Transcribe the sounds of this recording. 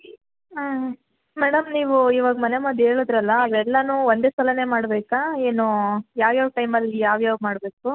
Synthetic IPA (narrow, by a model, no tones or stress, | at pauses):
a | mɛːɽɐmniːʋuiːʋaːɡɐmɐnemɐd̪e̞ːɭud̪ɾɐlːɐːʋɛlːɐnuːond̪e̞ːsɐlɐne̞ːmaːɽbeːkae̞ːnujaːʋjaːʋʈɐjmɐlːijaːʋjaːʋmaːɽbeːku